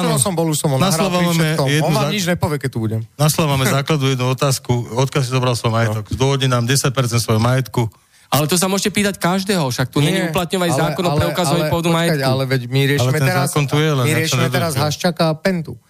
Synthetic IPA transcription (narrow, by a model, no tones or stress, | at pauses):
nɔsɔmbɔluʃsɔmɔnaslɔʋaamɛɔjɛd̪uɲid͡ʒɲɛpɔʋjɛkɛt̪ubuɟɛmnaslaʋamɛzaːklad̪ujɛd̪nuɔt̪aːskuɔt̪kɪjals̬izɔbɾalsʋɔjmajɛt̪ɔɡzd̪wɔɦɔdinaːmɟɛsac̚pɛɾt͡sɛnt̪sʋɔjɔmajɛt̪ku | alɛt̪ɔs̬amʊɔʒcɛpiːt̪ackaʒd̪ɛːɦɔfʃak̚t̪uɲɲɛɲiuplat̪ɲɔʋaɲzaːkɔnɔpɾɛukazɔʋaɲppɔʋd̪umajɛtalɛʋɛcmiɾɪɛallɛtmɛɛnɛzaːkɔnt̪ujɛlɛnɾɛɔɲɛd̪ɛɾazɦaʃt͡ʃakapɛnt̪u